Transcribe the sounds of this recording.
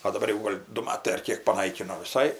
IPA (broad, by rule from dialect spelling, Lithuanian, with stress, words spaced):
oː dɐˈbɐr jɛʊ ˈɡoːlʲ dʊ ˈmɑːtɐɪ ɐr ˈkʲeːk pɐˈnɐɪkʲɪnoː ʋʲɪˈsɐɪ